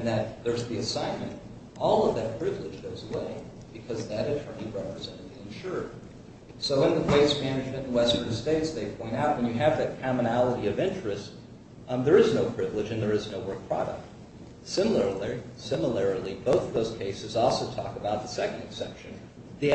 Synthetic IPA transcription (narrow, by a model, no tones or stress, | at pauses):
ɨ̃nðɨt̪̚ðə˞zðiɨsãɪ̃nmɨ̃nt | ʔɔlˠʌvðɨt̚pʰɹ̥ɪvlɨd͡ʒɡoʊzəweɪ | b̥ɨkʰʌzðɨɾɨtʰɜ̃˞niɹɛpɹɨzɛ̃ɾ̃ɨd̪̚ðiɨ̃nʃʊɹd̥̚ | soʊɨ̃nðəweɪsmænɨd͡ʒmɨ̃ñn̩wɛstə̃˞nsteɪtsðeɪpʰɔ̃ɪ̃ñtaʊt̚wɨ̃njɨɨvðɨt̚kʰɑmɨnælˠəɾiʌvɪ̃nt͡ʃɹ̥ɨst | ðə˞ɨznoʊpʰɹ̥ɪvlɨd͡ʒɨ̃nðə˞ɨznoʊwɜ˞k̚pʰɹ̥ɑ̰ɾə̰k̚t | sɪ̃ml̩ˠə˞lisɪ̃məl̩ˠɛɹl̩ˠiboʊθðoʊz̥kʰeɪsɨzɔlˠsoʊtʰɔ̰kəbaʊt̪̚ðəsɛkn̩dɨksɛpʃɨ̃n | ði